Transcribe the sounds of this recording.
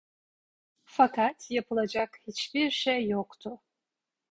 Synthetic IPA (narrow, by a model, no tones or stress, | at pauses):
fakʰat̪ʰjapʰɯlˠad͡ʒakhit͡ʃbiɾʃejːokt̪ʰʊ